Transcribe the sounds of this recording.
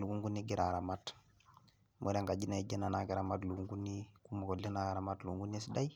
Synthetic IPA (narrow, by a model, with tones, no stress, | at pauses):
lu˨ɡu˦ŋɡu˦niɡi˦ɾaɾamat | mʔo˦ɾa˦ŋɡa˨ɟi˦na˨i˨d͡ʒe˦na˨naki˨ɾamatlu˨ku˦ŋɡu˦nːiku˦mo˨ko˨lːe˦na˨ɾamatlu˨u˨ŋɡu˦ni˦si˦da˦j